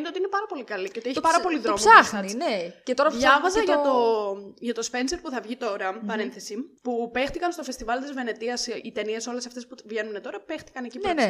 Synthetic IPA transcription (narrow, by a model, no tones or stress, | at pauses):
net̪eot̪iinepɐɾɐpo̞likɐliceot̪ieçipɐɾɐpo̞liðɾomsɐninecet̪oɾɐɐvɐzɐʝɐt̪oʝɐt̪o̞spe̞nse̞ɾpuθɐvʝit̪o̞ɾɐpɐɾe̞nθe̞sipupe̞xt̪ikɐnst̪o̞fe̞st̪ivɐlt̪izve̞ne̞t̪iɐsit̪e̞nie̞so̞le̞sɐft̪espuvʝe̞nunet̪o̞ɾɐpext̪i̥kɐne̞cie